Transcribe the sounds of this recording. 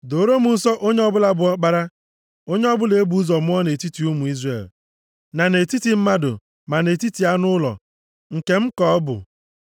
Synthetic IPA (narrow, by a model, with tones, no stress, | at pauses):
do˨ɾo˦mʊ˨n̩˦sɔ˦ʔo˦ɲe˦ɔ˦bʊ˦la˦bʊ˨ɔ˦k͡pa˦ɾa˦ | o˦ɲe˦ɔ˦bʊ˦le˨e˦bu˨˦zɔ˨mʊ˦ɔ˦ne˨ti˦ti˨u˦mu˨i˦zrḛ˨l | na˨ne˨ti˦ti˨m̩˦ma˦dʊ̰˨ | ma˨ne˨ti˦ti˨a˦nʊ˦lɔ̰˨ | ŋ̩˨ke˨m̩˦kɔ˨˦bʊ̰˨